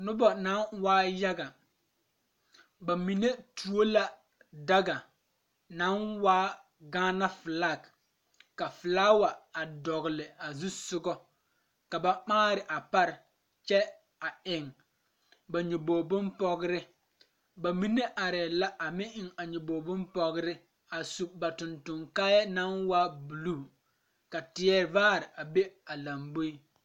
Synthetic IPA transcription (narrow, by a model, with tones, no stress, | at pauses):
nʊ˦bɔ˨na˨˦nwaː˦ja˦ɡa˨ | ba˨mi˨ne˦tu˨o˦la˨ | da˦ɡa˨ | na˨˦nwaː˦ | ɡaː˦na˦fɪ˨la˦˨k | kːa˨fɪ˨laː˦wa˨a˨dɔ˨ɣɪ˨lɪ˨a˨zu˦sʊ˦ɡɔ˦ | ka˨ba˦k͡paː˦ɾɪ˨ʔa˨pa˦ɾɪ˨ | t͡ʃɛ˦ | a˨ɪ˨ŋ | ba˨ɲu˨boː˨bʊ˦npɔ˦ɡɪ˦ɾɪ˦ | ba˨mi˦ne˦ʔa˨ɾɛ˨la˦ʔa˨mɪ˦ʔɪ˨ŋa˨ɲʊ˨boː˨bʊ˦npɔ˦ɣɪ˦ɾɪ˦ | a˨su˨ba˨tʊ˨ntʊ˨ŋkaː˦jɛ˦na˦nwa˦bu˨luː˦˨ | ka˨tɪ˨ɛ˦vaː˦ɾɪ˨ʔa˨be˦a˨la˨mbo˦i˦